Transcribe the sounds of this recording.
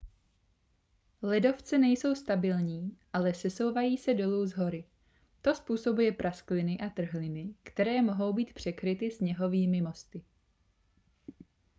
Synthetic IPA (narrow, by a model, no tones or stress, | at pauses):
lɛdo̞ft͡sɛnɛjso̞wst̪abɪlɲiːʔalɛsɛso̞wvajiːsɛdo̞luːzɦo̞ɾɪ | t̪o̞spuːso̞bujɛpɾʔasklɪnɪʔat̪r̩ɦlɪnɪkt̪ɛɾɛːmo̞ɦo̞wbiːt̪pr̝̥ɛkɾɪt̪ɪsɲɛɦo̞viːmɪmo̞st̪ɪ